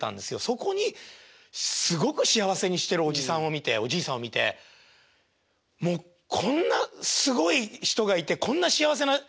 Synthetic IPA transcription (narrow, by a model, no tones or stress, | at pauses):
t̪ːã̰nd̪e̞sɨjo̞so̞ko̞ɲ̟i | sɨɡo̞kɯ̟ɕijaβ̞ase̞ɲ̟iɕi̥t̪e̞ɾɯ̟o̞ʑisãɰ̃o̞mʲit̪e̞o̞d͡ʑiːsãɰ̃omʲit̪e̞̰ | mo̞ː | kʰõ̞nːasɨɡo̞içi̥t̪o̞ɡait̪e̞kõ̞nːaɕiaβas̬e̞na